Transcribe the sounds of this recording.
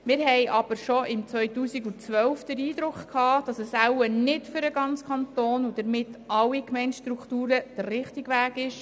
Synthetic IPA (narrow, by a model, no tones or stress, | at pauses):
mɪːɾɦɛjʔɑb̥əɾʃɔɪmt͡sʋœjtuːsiɡut͡sʋœwfd̥əɾiːd̥ɾʊkχkʰhɑːd̥ɑsəsæwənɪtfʏɾəɡɑnt͡skʰɑntoːnud̥əɾmɪtʰɑlːikmɛɪnʃtɾuktuːɾəd̥ərːɪχtɪɡʋæːɡɪʃ